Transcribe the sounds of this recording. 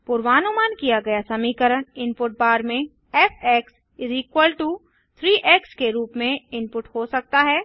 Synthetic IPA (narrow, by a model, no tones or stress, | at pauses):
pʊɾʋaːnumaːnkijaɡɐjasɐmiːkəɾəɽ̃ɪmpʊʈ̚baːɾmẽ | ɛːpʰɛːks | ɾiːkwəlʈu | t̪ʰɾiːʔɛːkskeɾuːpmẽɪmpʊʈɦoːsɐk̚t̪aɦɛː